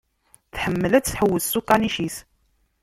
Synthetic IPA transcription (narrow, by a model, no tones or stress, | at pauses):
θħəmːəlæt͡sːθħəwːəðsukːaniʃiθ